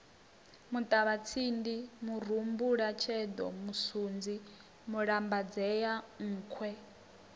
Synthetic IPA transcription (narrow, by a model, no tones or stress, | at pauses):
mut̪ʼaβat͡sʰindimur̤umbuɺat͡ʃʰɛd̪ɔ̰musund͡zi | muɺambad͡zɛjaŋ̩ːkʰwɛ